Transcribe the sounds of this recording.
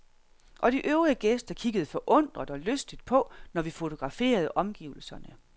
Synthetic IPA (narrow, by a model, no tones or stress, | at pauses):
ʔɒ̽ɾ̥iʔøʊʁiəɡ̥esd̥ɐkʰiɡ̥əð̞̩ˠfɒ̽ʔɔ̽n̰d̥ʁɐd̥ɒ̽løsd̥id̥̚pʰɒ̽nɒʋifo̝t͡sʰo̝ɡ̥ʁɑ̈fe̝̰ːɐð̞̩ˠʔɒ̽mɡ̥ḭːʊl̩sɐnə